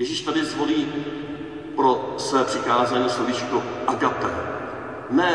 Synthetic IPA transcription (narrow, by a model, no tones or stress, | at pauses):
jɛʒɪʃt̪adɪzɦoliː | pɾo̞svɛːpr̥ɪkaːzaːɲiːslovit͡ʃkoʔaɡat̪ɛ̰ | nɛ